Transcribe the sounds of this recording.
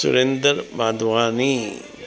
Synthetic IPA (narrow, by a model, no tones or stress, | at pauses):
sṵɾend̪əɾbaːd̪ʱʋaːni